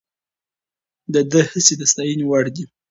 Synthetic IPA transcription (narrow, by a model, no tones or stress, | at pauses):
d̪əd̪əhəsed̪əst̪ɑjəniwaɽd̪i